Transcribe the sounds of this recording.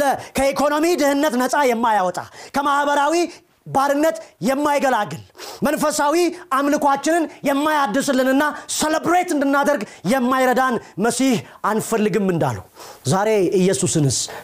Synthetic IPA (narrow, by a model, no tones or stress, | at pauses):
əkʰəikʰo̞no̞mid̪ɨhɨnːət̪nəsʼajɛmːajawɔt̪ʼa̰kʰəmahbəɾawi | baɾɨnːət̪jɛmːajɡəlaɡːɨlmənfəsawiʔamlɨkʷat͡ʃːɪnɨnjɛmːajad̪ːɨsɨlːɨnɨnːaseləbɾet̪ɨnd̪ɨnːad̪əɾɡjɛmːajɾəd̪anməsih | anfəlːɨɡɨmːɨnd̪a̰lːəwzaɾe̞ɨjːɛsusɨnhɨs